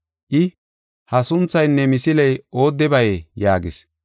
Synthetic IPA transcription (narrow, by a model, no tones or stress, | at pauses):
ʔɪ | hɐsʊnt͡sːɐjnːɛmɪsɪlɛjo̞ːd̪ːɛbɐjejaːɡɪs